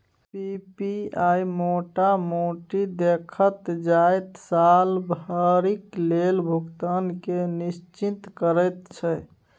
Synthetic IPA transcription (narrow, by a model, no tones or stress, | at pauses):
pipiajmoʈamoʈid̪ekʰət̪d͡ʒajt̪salbʱəɾiklelbʱukt̪ankenist͡ʃint̪kəɾəjt̪t͡ʃʰɛ